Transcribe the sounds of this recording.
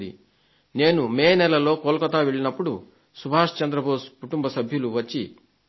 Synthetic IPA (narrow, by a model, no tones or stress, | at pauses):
d̪ḭ | ne̞ːnumeːnɛlɐlo̞ːkoːlkɐt̪aːʋeɭinɐpːuɽu | subʱaːʂt͡ʃɐnd̪ɾɐbʱaːuskuʈumbɐsɐbʱjuluʋɐt͡ʃːi